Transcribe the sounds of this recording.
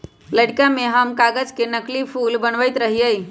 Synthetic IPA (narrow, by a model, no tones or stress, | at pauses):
ləɽkameɦəmkaɡəd͡ʒkenəklipʰulbənʋəjt̪ɾəɦijəi